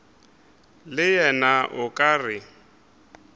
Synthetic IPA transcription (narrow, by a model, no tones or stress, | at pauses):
lɪjɛnaʔʊkʼaːrɪ